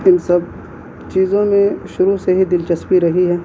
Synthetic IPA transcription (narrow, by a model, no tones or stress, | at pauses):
ɪnsɐb̚ | t͡ʃiːzõmẽʃʊɾuseɦid̪ɪlt͡ʃɐspiɾɐɦiɦɛː